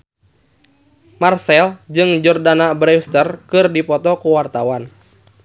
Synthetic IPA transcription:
marsɛld͡ʒɨŋd͡ʒɔrdanabɾɛst̪ərkɨrdipɔt̪ɔkuwart̪awan

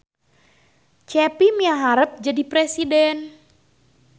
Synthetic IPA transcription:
t͡ʃɛpimiaɦaɾəp̚d͡ʒadipɾɛsidɛn

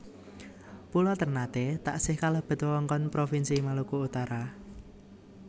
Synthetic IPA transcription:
pulɔt̪ərnat̪et̪a̰ʔsɪhkalab̥ə̤t̪wɔŋkɔnpɾofinsimalukuut̪aɾa

